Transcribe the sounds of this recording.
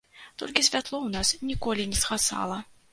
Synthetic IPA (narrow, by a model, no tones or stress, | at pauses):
t̪ɔ̰lʲkʲisʲvʲat̪lˠɔwnasnʲikɔlʲinʲɛsxasa̰lˠɐ